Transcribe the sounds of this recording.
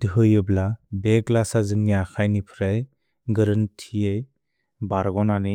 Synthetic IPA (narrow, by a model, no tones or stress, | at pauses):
dɦɯjɯblabeɡlasazɯŋniakʰajnipʰɾaj | ɡɯɾɯntʰiej | baɾɡɔnani